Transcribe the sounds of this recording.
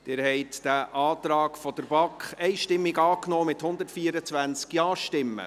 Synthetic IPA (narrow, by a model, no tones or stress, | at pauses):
d̥̪ɪɾhɛɪtd̥æʔɑːt̪ɾɑːkfɔd̥əɾbɑkχɛɪʃtɪmːiɡɑːknɔːmɪthʊnd̪əɾtfiəɾət͡sʋænt͡skjɑːʃtɪmːə̰